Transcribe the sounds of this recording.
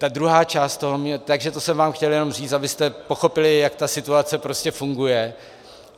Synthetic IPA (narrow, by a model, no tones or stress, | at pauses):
t̪ad̪ɾuɦaːt͡ʃaːst̪t̪o̞ɦomɲɛt̪aɡʒɛt̪osɛmvaːmxcɛljɛno̞mr̝iːt͡st̪abɪst̪ɛpo̞xo̞pɪlɪjakt̪asɪt̪uat͡sɛpɾo̞scɛfuŋɡujɛ